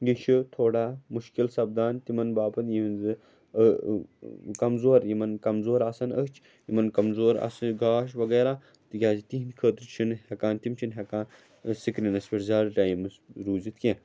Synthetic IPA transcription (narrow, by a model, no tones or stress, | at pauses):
ɡiʃʰit̪ʰoːɽaːmuʃkilsɐb̚d̪aːnt̪imɐnbaːpɐnjimnzɨ | kɐmzoːɾjimɐnkɐmzoːɾasɐnəkt͡ʃʰ | jimɐnkɐmzoːɾɐ̰sɡaːʃʋɐɡeːɾaː | t̪ikʲaːzit̪iɦnkʰəːt̪ɾt͡ʃʰinhekaːnt̪imt͡ʃʰinɦekãː | sikɾinɐspiʈzʲaːɾʈaːjimɨsɾuːzit̪ʰkʲẽː